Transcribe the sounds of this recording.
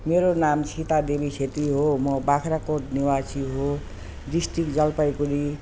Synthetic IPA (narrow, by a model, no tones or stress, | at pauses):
meɾonamt͡sʰit̪ad̪ebisʰet̪iɦomʌbakʰɾakoʈniwasiɦo | d̪isʈikd͡zʌlpajkuɾi